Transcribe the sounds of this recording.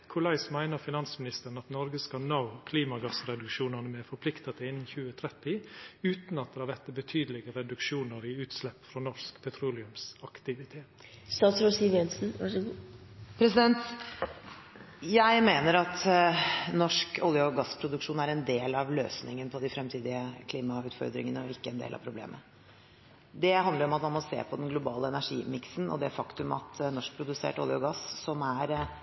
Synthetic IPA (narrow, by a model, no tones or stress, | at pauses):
kʰʊlæɪsmæɪnəɾfɪnɑnsəmɪnɪst̪əɾən̩ɑt̪nɔɾɡəskɑnɑʊkʰliːmɑɡɑsɾɛd̪ʉkʂuːnɑnəmɛfɔɾpʰlɪkt̪ɑt̪ʰɪɪnːn̩çʉːət̪ʰɾɛt̪ɪʉːt̪nɑt̪̚d̪ɛːhɑʋæt̪əbət̪ʰyːd̪əlɪɡəɾɛd̪ʉkʂuːnəɾiʉːt̪slɛpːfɾɔnɔʂkpʰɛt̪ʰɾuːlɪʉmsɑkt̪ɪʋɪt̪ʰeːt̪ | st̪ɑːt̪sɾosiʋjɛnsn̩ʋɑʂəɡuː | pʰɾɛsɪd̪ɛnt̪ | jæɪmeːnəɾɑt̪ | nɔʂkʊlːɪʊɡɑsːpʰɾʊd̪ʉkʂuːnæɾɛnd̪eːlɑʋlø̰ːsnɪŋənpʰɔd̪ɪfɾɛmt̪ʰiːd̪ɪəkʰliːmɑʉːt̪fɔ̰ɾd̪ɾɪ̰ŋənəɔɪkːəɛnd̪ḛːlɑ̰ʋpʰɾʊblḛːmʔə | d̪ɛɦɑnd̪ləɾɔmɑt̪mɑnmɔsḛːpʰɔd̪ɛnɡlʊbɑːləɛnæʂḭːmɪksnɔ̰d̪ɛfɑkt̪ʉmɑ̰t̪nɔʂk̚pʰɾʊd̪ʉsḛːʈɔ̰lɪʊɡɑssɔmæɾ